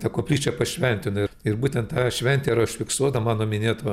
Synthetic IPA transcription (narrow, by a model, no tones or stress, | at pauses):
t̪ɐkoːpʲlʲiːt͡ʃʲɛpɐʃʲʋʲɛnʲt̪ʲɪnɪɪrbuːt̪ʲɛnt̪tɑːʃʲʋʲɛnʲt̪ʲeɾɐʊʃʲfʲɪksuɔd̪ɐmɑːnoːmʲɪnʲeːt̪oː